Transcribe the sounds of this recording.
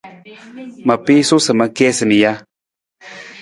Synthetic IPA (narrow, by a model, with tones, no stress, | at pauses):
ma˨pi˦su˦sɨ˨ma˧kɛ˦sɨ˨ni˨ja˦